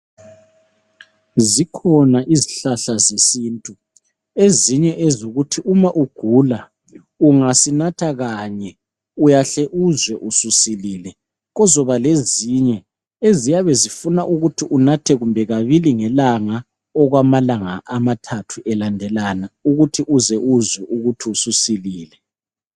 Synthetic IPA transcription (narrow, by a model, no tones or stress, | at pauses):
zikʰɔnaʔiziɬaɬazesiːntʼu | eziɲɛʔezoɣutʰiʔumaʔuɡ̥ʱula | uŋasinatʰaɣaɲɛ | ujaɬɛʔuzwɛʔususiliːlɛ | ɣɔzɔβaleziɲɛ | ezijaβɛzifunaʔuɣutʰiʔunatʰɛɣumbʱɛɣaβiliŋɛlaŋa | ɔɣwamalaŋaʔamatʰatʰuʔɛlandʱɛlanauɣutʰiʔuzɛʔuzwɛʔuɣutʰiususiliːlɛ